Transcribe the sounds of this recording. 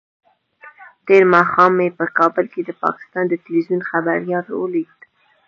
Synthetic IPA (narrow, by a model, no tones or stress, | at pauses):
t̪eɾmɑxɑmepəkɑbəlked̪əpɑ̰kɪ̥st̪ɑnd̪ət̪ɪlwizjunxabaɾjɑlwəliɡ̚d̪